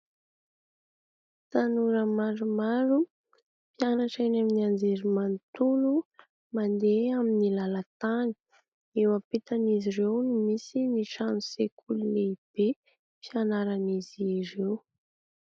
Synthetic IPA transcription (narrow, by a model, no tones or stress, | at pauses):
t̪anuɾəmaɾumaɾu | pjanaʈ͡ʂanaminiand͡zeɾimant̪ulu | mand̪eaminilalat̪ani̥ | ewapit̪anizirewnumisiniʃanusekʰululeib̥e | pianaɾaniziɾew